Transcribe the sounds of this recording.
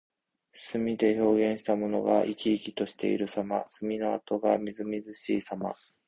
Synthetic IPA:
sɨmʲid̪e̞ço̞ːɡẽ̞ɰ̃ɕi̥t̪amo̞no̞ɡaʔikʲiːkʲi̥t̪o̞ɕi̥t̪e̞̰ḭɾɯ̟samasɨmʲino̞at̪o̞ɡamʲizɨmʲizɨɕiːsama̰

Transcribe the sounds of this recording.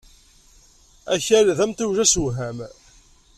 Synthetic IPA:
æçæɾðæmt̪uwʒæsuwɦæm

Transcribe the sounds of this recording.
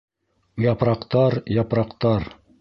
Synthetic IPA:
jɑpɾɑqt̪ɑɾjɑpɾɑqt̪ɑɾ

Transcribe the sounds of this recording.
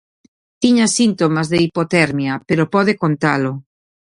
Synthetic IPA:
t̪iɲasint̪omazðeipot̪ɛɾmjapeɾopɔðekont̪alo

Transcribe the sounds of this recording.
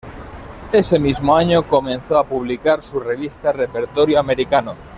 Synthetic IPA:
ese̞mizmoaɲokomẽ̞nθoapuβ̞likaɾsure̞β̞ist̪arepeɾt̪oɾjoame̞ɾikano

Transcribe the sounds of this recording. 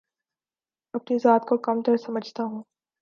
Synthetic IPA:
ɐpnizaːt̪kokɐmt̪ɐɾsɐməd͡ʒʱt̪aɦũː

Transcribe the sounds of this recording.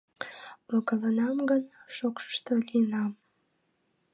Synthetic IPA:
oɣələnɑmɡənʃokʃə̥ʃt̪o̽lijənɑm

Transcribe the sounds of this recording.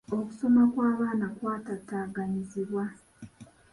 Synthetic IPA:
o̞ku̥so̞makwaːβaːnakwaːtataːɡaɲiziβwa

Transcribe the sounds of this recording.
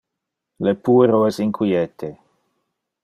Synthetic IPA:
lepueɾoɛsiŋkʰwiɛt̪ʰe

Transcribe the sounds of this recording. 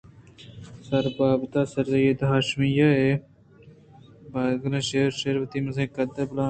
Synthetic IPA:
sɐɾbaːbt̪aːsɐɾzɐjed̪ɦaːʃmijaːe | baːd̪ɡɐɾẽːʃeːɾʃeːɾʋɐt̪iːmɐzẽːkɐd̪ɐblaː

